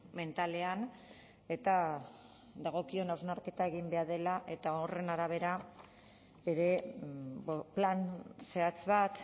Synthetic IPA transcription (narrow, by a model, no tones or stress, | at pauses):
me̞nt̪ale̞an | e̞t̪a | ðaɣ̞o̞kio̞nawznaɾke̞t̪ae̞ɣ̞imbe̞aɾðe̞laʔe̞t̪aore̞naɾaβ̞e̞ɾa | eɾe̞ | planse̞at͡sβat̪